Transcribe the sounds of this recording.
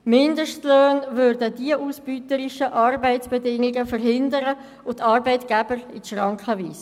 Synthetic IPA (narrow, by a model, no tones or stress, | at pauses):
mɪndəʃtløːnʋøɾdədiəʔuːsb̥yːtəɾɪʃəʔɑrbæɪtt͡sb̥ɛdɪŋiɡəfərɦɪndəɾə | ʊtːɑːɾbəɪtɡ̥ɛb̥əɾiʃʁɑŋkχəʋiːs